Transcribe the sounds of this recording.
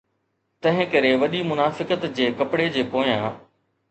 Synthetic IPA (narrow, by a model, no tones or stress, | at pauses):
t̪ɐ̃ɦɪ̃kɐɾeʋɐɗimʊnaːfɪkət̪d͡ʑeːkɐpɽed͡ʑeːpoːjãː